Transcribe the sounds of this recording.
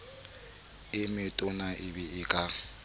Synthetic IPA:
ɪmɪtʼʊnaʔɪbɪɪkʼa

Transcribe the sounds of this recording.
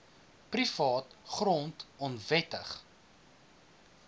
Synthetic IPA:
prifɑːtχrɔntɔnvɛtəχ

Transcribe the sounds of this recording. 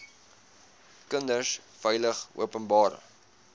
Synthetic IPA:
kəndəsfɛjləχṵəpənbɑːɾ̰

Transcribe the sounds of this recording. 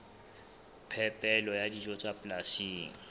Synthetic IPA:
pʰɛpʼɛlɔjadid͡ʒɔt͡sʼapʼlasiːŋ̩

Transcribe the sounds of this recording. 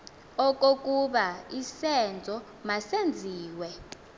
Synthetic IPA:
ɔk̬ʼok̬ʼuɓaisɛnd͡zʱɔ | masend͡zʱiːwɛ

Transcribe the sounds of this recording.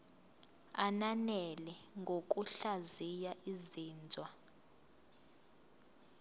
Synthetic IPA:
ananɛlɛŋɡʱok̬ʼuɬazijaʔiziːnd͡zʱwa

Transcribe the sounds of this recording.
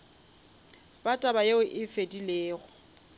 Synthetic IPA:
batʼabajeʊʔɪfedileːɣʊ

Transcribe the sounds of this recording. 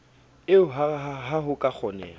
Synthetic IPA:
ɪʊɦaɦaɦʊkʼak͡xʰɔnɛ̰ːl

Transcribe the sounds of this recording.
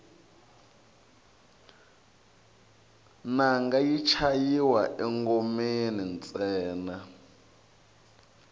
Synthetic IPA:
naŋɡajit͡ʃʰajiwaʔɛŋɡomenint͡sʼɛːna

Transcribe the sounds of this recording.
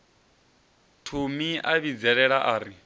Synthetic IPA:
tʰumiʔaβid͡zɛɺɛɺaʔaːɾi

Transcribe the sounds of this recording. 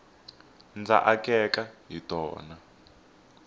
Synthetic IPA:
nd͡za̰ʔakʼɛkaɦitɔ̰ːna

